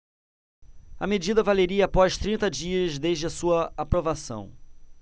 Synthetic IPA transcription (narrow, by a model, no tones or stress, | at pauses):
ɐ̰med͡ʒid̪ɐvaleɾiɐːpɔʃt̪ɾĩnt̪ɐd͡ʒiɐzd̪ezd͡ʒɪɐsuɐapɾovasɐ̰̃w̃